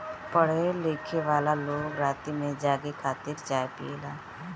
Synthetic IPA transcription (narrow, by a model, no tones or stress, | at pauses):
pəɽ̤eleːkʰeʋaːlaloːɡɾaːt̪imẽd͡ʒaːɡekʰaːt̪ɪɾt͡ʃaːepḭeːlaː